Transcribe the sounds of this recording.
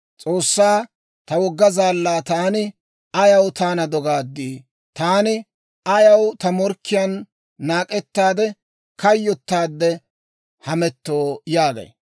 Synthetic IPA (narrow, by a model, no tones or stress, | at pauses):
t͡sʼoːsːaː | t̪ɐwɔɡːɐzaːlːaːt̪aːnɪ | ɐjɐwt̪aːnɐd̪ɔɡaːd̪ːiː | t̪aːnɪ | ɐjɐwt̪ɐmɔɾkʰːɪjɐnː | aːkʼɛt̪ːaːd̪ɛ | kɐjːɔt̪ːaːd̪ːɛ | hɐmɛt̪ːoːjaːɡɐ̰j